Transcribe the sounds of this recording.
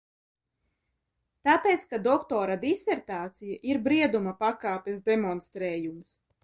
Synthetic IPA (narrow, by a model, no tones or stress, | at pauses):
t̪apeːt̪skad̪ɔkt̪ɔːɾad̪isɛɾt̪aːt̪sijaʔiɾbɾiɛd̪umapakaːpʲɛsd̪emɔnst̪ɾɛːjums